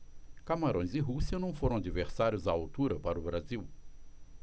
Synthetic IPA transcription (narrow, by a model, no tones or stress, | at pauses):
kamaɾõj̃zɪɦusiɐnɐ̃w̃foɾɐ̃ad͡ʒiveɾsaɾjʊzaawt̪uɾɐpaɾʊbɾaziw